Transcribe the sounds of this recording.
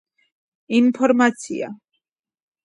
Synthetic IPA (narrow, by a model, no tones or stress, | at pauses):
inpʰɔɾmat̪sʰḭa̰